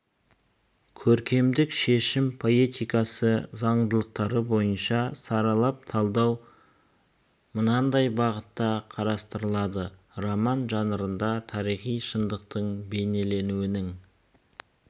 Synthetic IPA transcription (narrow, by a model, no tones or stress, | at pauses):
kʲʰɵɾkʲe̞md̪ɪkʃe̞ʃɪmpʰo̞et̪ijkɑsəzɑɴd̪əlˠəq̚t̪ɑɾəbo̞jənʃɑsɑɾɑlˠɑp̚t̪ʰɑlˠd̪ɑw | mənɑnd̪ɑjbɑʁət̪ːɑqʰɑɾɑst̪əɾəlˠɑd̪ə | romɑnʒɑnəɾənd̪ɑt̪ʰɑɾijχijʃənd̪əq̚t̪əɴbe̞ne̞le̞nuwɪnɪŋ